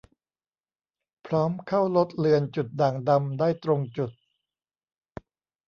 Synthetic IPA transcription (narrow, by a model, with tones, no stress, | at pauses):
pʰɾɔː˦˥mkʰa˥˩wlo˦˥t̪̚lɯ˧ənt͡ɕu˨˩t̪̚daː˨˩ŋda˧mdaː˥˩jt̪ɾo˧ŋt͡ɕu˨˩t̪̚